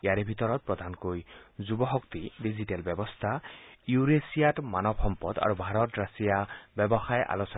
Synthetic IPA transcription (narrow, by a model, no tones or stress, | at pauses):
ejaɾebʱit̪ɔɾɔt̪̚pɹɔd̪ʱankojzubɔxɔkt̪iɖiziʈelbɛbɔst̪ʰajuɾesijaʈmanɔbhɔmpɔd̪a̰ɹubʱaɾɔt̪ɹasijabɔbɔxajʔa̰losɔ